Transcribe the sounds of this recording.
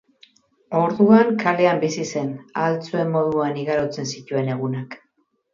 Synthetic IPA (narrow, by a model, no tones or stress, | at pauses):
o̞ɾðuaŋkale̞ambisise̞nalt͡sue̞mːo̞ðuaniɣaɾot͡se̞nsic̪ue̞ne̞ɣ̞unak